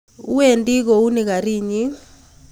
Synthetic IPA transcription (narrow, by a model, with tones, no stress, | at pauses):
u˦we˨ndʼi˦k̬ɔ˨u˦ni˨k̬a˨ɾiː˦˨ɲi˦